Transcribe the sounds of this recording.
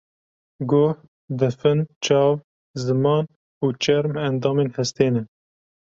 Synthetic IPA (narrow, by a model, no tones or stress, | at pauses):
ɡoːh | d̪ɨfɨnt͡ʃɑːv | zɨmɑːn | uːt͡ʃɛɾmænd̪ɑːmeːnhɛst̪eːnɛ